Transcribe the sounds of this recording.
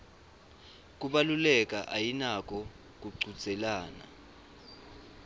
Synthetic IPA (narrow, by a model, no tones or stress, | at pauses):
k̬ʼuɓalulɛk̬ʼaʔajinak̬ʼɔ | k̬ʼuǀʱud̥ʱʼɛlaːna̰